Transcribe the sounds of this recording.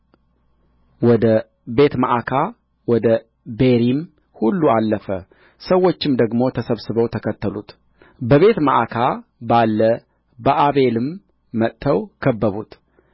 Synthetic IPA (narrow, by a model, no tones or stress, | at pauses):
wɔd̪ə | be̞t̪maʔakʰa | wɔd̪ə | be̞ɾim | hulːualːəfə | səwːo̞t͡ʃːɪmd̪əɡmo̞t̪ʰəsəβsɨβəwt̪ʰəkʰət̪ʰːəlut̪ | bəβe̞t̪məʔakʰabalːə | bəʔaβe̞lɨmː | ət̪t̪ʰːəwkʰəbːəβut̪